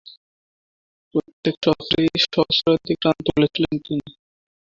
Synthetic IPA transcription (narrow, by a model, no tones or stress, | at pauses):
pɾot̪ːekʃɔt̪ːɾeʃɔsɾad̪ikɾant̪olet͡ɕʰilenkini